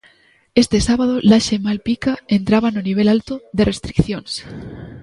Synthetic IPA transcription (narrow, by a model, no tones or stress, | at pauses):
est̪esaβað̞olaʃemalpikae̞nt̪ɾaβanoniβ̞e̞lalt̪oðe̞re̞st̪ɾikθjons